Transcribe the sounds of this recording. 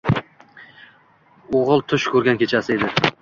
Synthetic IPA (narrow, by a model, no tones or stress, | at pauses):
oʁɨlˠt̪ʰʊʃkʰɵɾɡʲankʲʰe̞t͡ʃʰasɪe̞d̪ɪ